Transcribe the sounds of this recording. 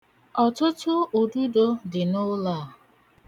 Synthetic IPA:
ɔ˨tʊ˦tʊ˦o˨du˦do˦dɪ˨no˦la˦˨

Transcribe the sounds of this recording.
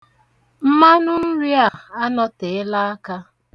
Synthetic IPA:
m̩˦ma˦nʊ˦n̩˦ɾi˦a˨a˦nɔ˦te˨ɪ˦la˦a˦ka˦

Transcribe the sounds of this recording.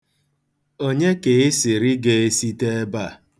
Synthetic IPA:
o˦ɲe˦ke˨ɪ˦sɪ˨ɾɪ˦ɡe˨e˦si˦te˦ba˦˨

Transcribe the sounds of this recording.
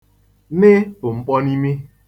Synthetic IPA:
nɪ˦bʊ˨ŋ͡m̩˦k͡pɔ˦ni˦mi˦

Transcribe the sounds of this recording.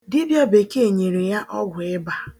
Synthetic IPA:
dɪ˦bjɔ˦be˨ke˦e˨ɲe˨ɾe˨ja˦ʔɔ˦ɡʷʊ˨ɪ˦ba˨

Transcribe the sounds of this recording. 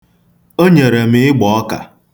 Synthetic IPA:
o˦ɲe˨ɾe˨mɪ˦ɪ˦ɡ͡bɔ˨˦ɔ˦ka̰˨

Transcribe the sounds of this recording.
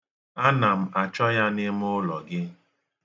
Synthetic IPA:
a˦na˨m̩˨˦a˨t͡ʃɔ˦ja˦nɪ˦m˦ʊ˦lɔ˨ɡɪ˦

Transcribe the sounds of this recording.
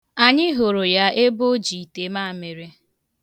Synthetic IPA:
a˨ɲɪ˦ɦo˨ɾo˨ja˦e˦bo˦d͡ʒi˨te˨ma˦˨me˨ɾe˦

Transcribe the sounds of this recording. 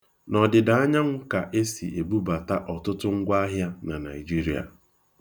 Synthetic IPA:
nɔ˨dɪ˨da˨˦a˦ɲa˦ŋ̩˦ka˨ʔe˦sḭ˨ʔe˨bu˦ba˨ta˦ʔɔ˨tʊ˦tʊ˦ŋ̩˦ɡʷa˦a˦ɦja˦na˨na̰˨i˨d͡ʒi˦ɾi˦a̰˨

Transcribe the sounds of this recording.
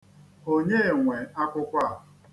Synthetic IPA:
o˦ɲe˦e˨ŋʷe˨a˦kʷʊ˦kʷa˦˨

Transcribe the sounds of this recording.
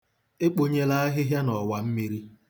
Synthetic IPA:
e˦k͡po˨ɲe˦la˦a˦ɦɪ˦ɦja˦nɔ˨wa˨m̩˦mi˦ɾi˦

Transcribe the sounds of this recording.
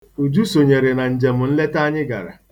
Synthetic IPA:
u˨d͡ʒu˦so˨ɲe˨ɾe˨na˨n̩˨d͡ʒe˨m̩˨n̩˦le˦ta˦ɲɪ˦ɡa̰˨ɾa̰˨

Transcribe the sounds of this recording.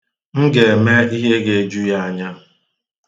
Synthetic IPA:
ŋ̩˦ɡe˨e˨me˦i˦ɦe˦ɡe˨e˨d͡ʒu˦ja˦a˨ɲa˦

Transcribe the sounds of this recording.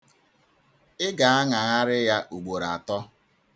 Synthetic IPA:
ɪ˦ɡa˨a˦ŋa˨ŋa˦ɾɪ˦ja˦ʔu˨ɡ͡bo˨ɾa˨a˨tɔ˦

